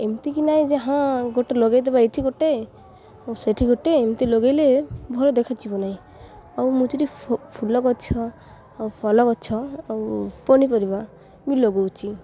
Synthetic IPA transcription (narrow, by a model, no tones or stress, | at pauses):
emt̪ikinajd͡ʒeɦãɡoʈeloɡajd̪ebaeʈʰiɡoʈe | ɔwseʈʰiɡoʈeːmt̪iloɡajlebʱɔlɔd̪ekʰat͡ʃʰibɔnaĩ | ɔwmut͡ʃiɾipʰulɔkɔt͡ʃʰɔ | awpʰɔlɔkɔt͡ʃʰɔawpɔnipɔɾiba | miloɡowt͡ʃʰi